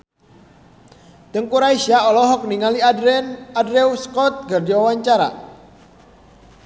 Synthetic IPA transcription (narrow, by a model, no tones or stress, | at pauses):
d̪əŋkuɾaiʃaɔlɔɦɔk̚niŋaliaadɾɛwskɔt̪̚ɡərdiwawaɲt͡ʃaɾa̰